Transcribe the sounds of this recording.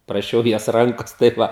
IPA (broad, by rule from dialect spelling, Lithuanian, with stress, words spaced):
prɐˈʃʲɛʊ joːs ˈrɐŋkoːs tɐɪ ˈʋɐ